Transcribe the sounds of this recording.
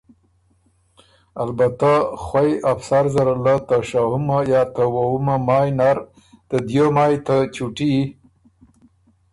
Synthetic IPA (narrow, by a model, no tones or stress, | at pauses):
albat̪axwajafsaɾzaɾalat̪aʃahʊmajɑt̪awawumamɑjnaɾ | t̪əd̪jomɑjt̪at͡ʃuʈi